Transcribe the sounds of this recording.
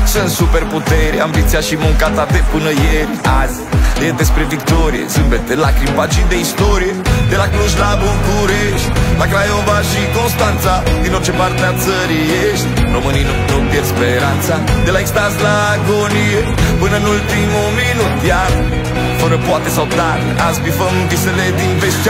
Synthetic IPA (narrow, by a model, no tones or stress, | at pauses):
sɨnt̪supe̞rput̪eɾeambit̪siaʃimuŋkat̪at̪epɨnəjeɾʲaz | ed̪espɾevikt̪oɾijḛsɨmbet̪elakɾipat͡ʃid̪eist̪oɾijed̪e̞lakluʃlabukuɾeʃt̪ʲlakɾajovaʃiko̞nst̪ant̪sad̪inot͡ʃepaɾt̪at̪səɾi | eʃt̪roməninunopjeɾspeɾansad̪elaist̪ansla | ɡonie | pɨnənult̪imuminut̪ja | fəɾəpwat̪es̬awt̪aɾlazpifəmd̪iseled̪ivest͡ʃ